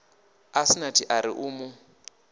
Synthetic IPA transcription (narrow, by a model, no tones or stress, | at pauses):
asinatʰiʔaɾiʔuːmʊ